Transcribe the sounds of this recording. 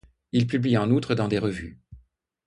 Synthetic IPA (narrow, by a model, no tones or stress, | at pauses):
ilpybliɑ̃nut̪χəd̪ɑ̃d̪eʁəvy̰